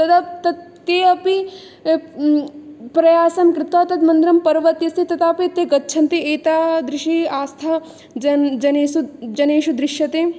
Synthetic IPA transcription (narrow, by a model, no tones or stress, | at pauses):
t̪ɐt̪ɐt̪ɐt̪ː | eːɐpi | pɾɐjaːsɐmkɾɪt̪ʋaːt̪ɐt̪mɐnd̪ɾɐmpɐɾʋɐt̪jɐst̪ʰit̪ɐt̪aːpit̪eɡɐtːʃʰɐnt̪eeːt̪aːd̪ɾɪʃiaːst̪ʰɐ | ɐd͡ʒɐneːsud͡ʒɐneːʃud̪ɾɪʃjɐt̪eː